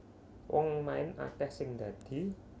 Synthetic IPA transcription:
wɔŋmaɪna̰kɛhsɪŋd̪̥a̤d̪̥i̤

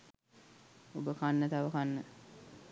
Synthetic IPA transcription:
obəkanːət̪aʋəkanːə

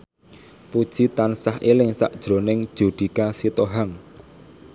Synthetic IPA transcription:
pud̥ʒ̥i̤t̪ansaɦʔilɪŋsa̰ʔd̥ʒ̥ɾo̤nɪŋd̥ʒ̥ṳd̪̥i̤kasit̪oɦaŋ

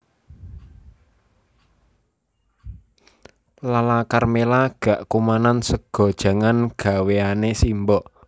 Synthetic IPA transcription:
lalakarmelaɡ̥a̤ʔkumanansəɡ̥ɔ̤d̥ʒ̥ä̤ŋanɡ̥a̤weanesimbɔʔ

